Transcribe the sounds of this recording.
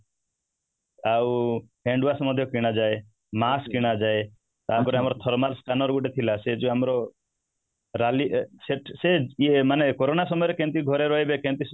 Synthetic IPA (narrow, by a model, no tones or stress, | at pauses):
awɦeɳɖuwasmɔd̪ʱjɔkiɽ̃ad͡ʒae | maskiɽ̃ad͡ʒae | t̪aɦpɔɾeamɔɾɔt̪ʰɔɾɔmalskanɔɾɡuʈet̪ʰilased͡ʒuamɾɔ | ɾaliseʈsemanekoɾonasɔmɔjɔɾekẽnt̪iɡʱɔɾeɾɔɦebekẽnt̪is